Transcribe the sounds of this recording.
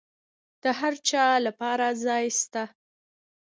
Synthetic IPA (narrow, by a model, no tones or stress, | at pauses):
d̪̥əɦaɾt͡ʃɑlapɑɾazɑjst̪a